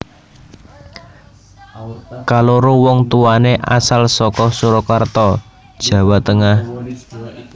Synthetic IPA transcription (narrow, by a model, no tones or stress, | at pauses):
kaloɾowɔŋt̪uaneʔa̰salsɔkɔsuɾɔkart̪ɔ | d̥ʒ̥ä̤wat̪əŋah